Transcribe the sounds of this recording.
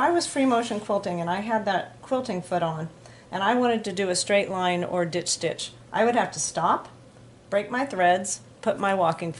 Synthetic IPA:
aɪwʌz̥fɹimoʊʃɨ̃n̩kʰw̥ɪlˠtɪ̃ŋɨ̃naɪɨd̪̚ðɨt̚kʰw̥ɪlˠtɪ̃ŋfʊɾn̩ | ʔɨ̃ñaɪwɑ̃ɾ̃ɨd̚tɨdɨɨstɹ̥eɪʔˡlãɪ̃nə̰˞dɪt͡ʃd̥ɪ̰t͡ʃ | ʔa̰ɪwɨd̚hæftʰɨstɑp | b̥ɹeɪk̚maɪθɹɛdz̥ | pʰʊt̚maɪwɔkɪ̃ŋf

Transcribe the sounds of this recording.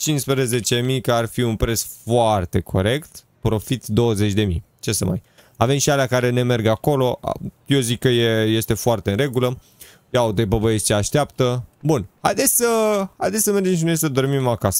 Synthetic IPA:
t͡ʃinspɾeze̞t͡ʃemijkəarfiunpɾe̞sfoart̪e̞kʰo̞̰ɾe̞kt̪ | pɾo̞fit̪d̪o̞wəze̞t͡ʃʲd̪e̞mi | t͡ʃe̞səma̰j | ave̞mʃialakaɾe̞ne̞me̞rɡako̞lo̞ʔa̰ | jezikːəjeje̞st̪e̞foart̪e̞ɨnre̞ɡulə | jaod̪ebəbəest͡ʃeaʃt̪eapt̪əbunha̰jd̪esʲsəhajd̪esʲsəme̞rd͡ʒe̞mʃ̬inojsəd̪o̞rmimakasə̥

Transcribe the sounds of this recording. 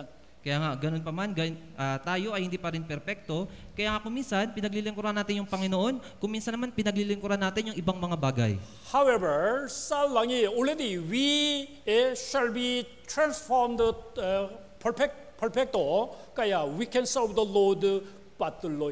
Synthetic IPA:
kɐjaːŋaɡɐno̞npɐmanɡɐn | ʔat̪aːjo̞ʔɐjhɪnd̪iːpɐɾɪnpɛɾfɛk̚t̪o̞ | kɐjaːŋakʊminsɐnpɪnɐɡ̚lilɪŋkʊɾanːaːt̪ɪnjʊŋpɐŋɪno̞ʔo̞nkʊŋminsɐnːɐmanpɪnɐɡlilɪŋkʊɾanːaːt̪ɪnjʊŋʔɪbaŋmɐŋabaːɡɐj | hawɛvəɹsɐlaŋiɔɾɛd̪iwi | ɛʃalbi | t̪ɹãnsfoɹmd̪ | pʰɛpɛk | pɛɹpɛk̚t̪o | kɐjawikɛ̃nsɛvd̪əlod̪ | pat̪ulo

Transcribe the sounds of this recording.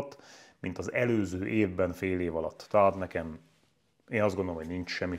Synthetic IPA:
t̪ːmint̪ɒzɛløːzøːʔeːvbɛɱfeːleːvɒlɒ̰t̪ːɛɦaːt̪nɛkɛm | eːnɒzd̪ɡondolomoɟnint͡ʃʃɛmːi

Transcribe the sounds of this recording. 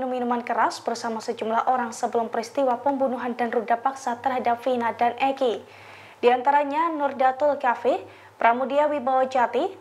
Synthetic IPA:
numinumankəɾasbərsamasəd͡ʒumlahʔoɾaŋsəbəlʊmpəɾist̪iwapəmbunuɦandanrudapaksat̪ərɦadap̚finadanɛki | d̥iant̪aɾaɲanʊrdat̪ʊlkafɪ | pɾʔamudiawibawad͡ʒat̪i

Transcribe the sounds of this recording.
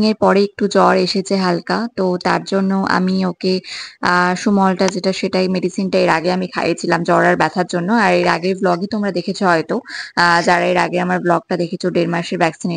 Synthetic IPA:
ŋeɾpɔɾeek̚ʈud͡ʑɔɾeʃet͡ɕʰeɦalkat̪ot̪a̰ɾd͡ʑonːoʔa̰mioke | ʃumɔlʈad͡ʑeʈaʃeʈajmeɖisinʈaeɾaɡeamikʰa̰jet͡ɕʰilamd͡ʑɔɾaɾbɛt̪ʰaɾd͡ʑonːoaɾeɾaɡeɾblɔɡet̪omɾad̪ekʰet͡ɕʰoɦɔet̪od͡ʑaɾaeɾaɡeamaɾblɔɡ̚ʈad̪ekʰet͡ɕʰoɖeɾmaɾʃeɾbʱɛksine

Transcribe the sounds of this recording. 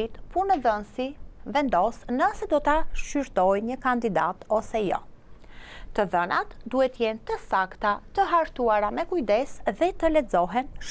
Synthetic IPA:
it̪punəðənsivɛnd̪ɔsnəsɛd̪ɔt̪aʃyɾt̪ɔjɲəkand̪id̪at̪ɔsɛjɔ̰ | t̪əðənat̪d̪uhɛt̪əjɛnt̪əsakt̪at̪əɦaɾt̪uaɾamɛkujd̪ɛsðɛt̪əlɛd͡zɔɦɛnʃ

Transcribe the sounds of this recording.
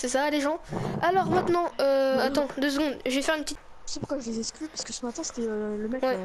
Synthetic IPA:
sɛsaleʒɑ̃alɔʁmɛ̃t̪nɑ̃øat̪ɑ̃d̪øs̬ɡɔ̃d̪ʒəvɛfɛʁynpət̪it̪ | əsɛpuʁkwaʒəlezɛsklypḁʁskəsəmat̪ɛ̃se̥t̪ɛøləmɛkwɛ

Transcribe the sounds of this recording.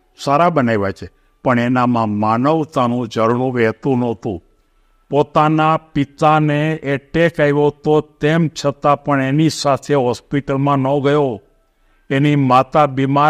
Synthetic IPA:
saɾabənaiʋat͡ʃʰe | pəɳenamãmanəʋt̪anũd͡ʒəɾuɽũʋɛɦt̪ũnɔt̪ṵ̃ | pot̪anapit̪aneeʈekajʋot̪ot̪emt͡ʃʰət̪apəɳenisat̪ʰeɦɔspiʈəlmãnɔɡəjo | enimat̪abima

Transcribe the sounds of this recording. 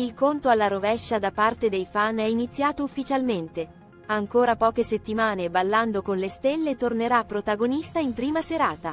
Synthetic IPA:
ilkont̪oalːaɾovɛʃːad̪apːart̪ed̪ejfanɛinit̪sːjaːt̪oufːit͡ʃalment̪e | aŋkoːɾapɔːkeset̪ːimaːnebalːand̪okonlest̪elːet̪orneɾapːɾot̪aɡonist̪aimpɾiːmaseɾaːt̪a

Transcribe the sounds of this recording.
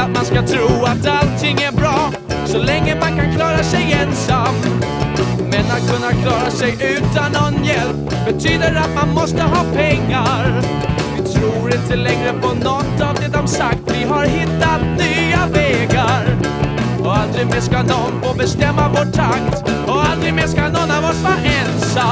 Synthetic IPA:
at̪manskat̪ʰɾuːat̪alt̪ʰɪŋːæɾbɾɑː | sɔlɛŋːəmankankʰlɑːɾasɛjɛnsam | mɛnat̪̚kʰɵnːakʰlɑːɾasɛjʔʉ̟ːt̪anːɔnjɛlp | bɛt̪ʰyːd̪əɾat̪manmɔst̪əɦɑːpʰɛŋːaɾ | vɪt̪ʰɾuːɾɪnt̪əlɛŋɾəpʰɔnɔt̪ːavd̪ɛd̪ɔmsak̚t̪vɪɦaɾɦɪt̪ːat̪nyavɛːɡaɾ | ɔald̪ɾɪɡmeːskanɔnfoːbɛst̪ɛmːavoːʈʰːakt̪ | ɔald̪ɾɪɡmeːskanɔnːavɔsfɔʔɛnsa

